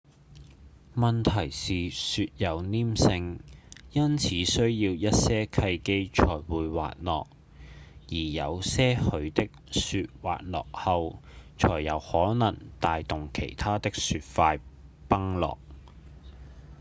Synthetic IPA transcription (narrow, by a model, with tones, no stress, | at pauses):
mɐ˨nt̪ʰɐ˨˩jsiː˨syː˧t̚jɐ˨˧wniː˥msɪ˧ŋjɐ˥nt͡sʰiː˨˧˥sɵ˥ɥjiː˧wjɐ˥t̚sɛː˥kʰɐ˧jke˥jt͡ʃʰɔː˨˩jwuː˨˧jwa̰ː˨t̚lɔː˨k̚ | jiː˨˩jɐ˨˧wsɛː˥hɵ˨˧ɥt̪ɪ˥k̚sy˧t̚wa̰ː˨t̚lɔ̰ː˨k̚hɐ˧wt͡sʰɔː˨˩jːɐ˨˧whɔː˨˥nɐ̰˨˩ŋt̪aː˨jt̪ʊ˨ŋkʰe˨˩jt̪ʰaː˥t̪ɪ˥k̚syː˧t̚faː˧jpɐ˥ŋlɔ̰ː˨k̚